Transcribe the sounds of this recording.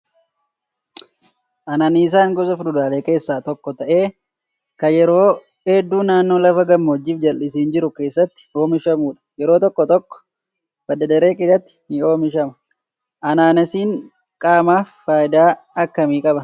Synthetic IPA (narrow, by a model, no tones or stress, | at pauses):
ʔɐnaːnɪɪs̬aːŋɡɔzɐfdʊd̪aːleːke̞ːsːaːt̪ɔkːɔt̪ɐʔe̞ː | kɐjɛɾo̞ː | eːd̪ːuːnaːnːo̞ːlɐfɐɡɐmːɐɔd͡ʒːɪːfd͡ʒɐlʔɪs̬iːnd͡ʒɪɾʊke̞ːsːɐt̪ːɪ̥o̞ːmɪʃɐmuːᶑɐ̥jɛɾo̞ːt̪ɔkːɔt̪ɔkːɔ̥ | b̥ɐd̪ːɐd̪ɐɾe̞ːkeːsɐt̪ːɪ̥nɪo̞ːmɪʃɐmɐ̥ | ʔɐnaːnɐsiːŋ | kʼaːmaːfːaːjɪd̪aː | ɐkːɐmiːkʼɐbɐ